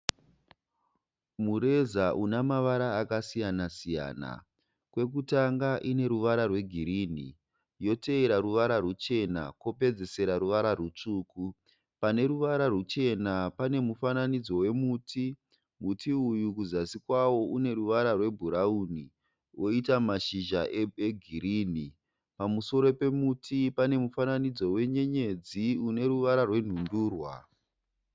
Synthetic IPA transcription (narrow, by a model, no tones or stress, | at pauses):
muɾe̞zaʔunamaʋaɾaːkasijanasija̰ːna̰ | kwe̞k̬utaŋɡaʔine̞ɾuʋaɾarwe̞ɡʱiɾin̤ḭ | jo̞te̞ːɾaɾuʋaɾarut͡ʃe̞na̰kwope̞d͡ze̞se̞ɾaɾuʋaɾarut͡ʂuːku | pane̞ɾuʋaɾarut͡ʃe̞napane̞mufananid͡zo̞we̞mutʰi | mutʰiujukuzasikwawo̞ʔune̞ɾuʋaɾarwe̞bʱuɾauni | ʔo̞itamaʃiʒaʔeeɡʱiɾiːni | pamuso̞ɾo̞pe̞mutʰipane̞mufananid͡zo̞we̞ɲe̞ɲe̞d͡ziune̞ɾuʋaɾarwe̞n̤unduːrwa̰